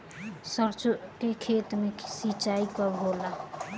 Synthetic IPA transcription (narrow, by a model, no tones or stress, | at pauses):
səɾt͡ʃkekʰeːt̪mesit͡ʃaikɔoːla